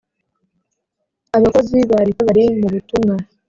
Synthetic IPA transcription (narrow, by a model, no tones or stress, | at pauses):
aβako̞ziβaɾiβaβaɾimuβutuŋa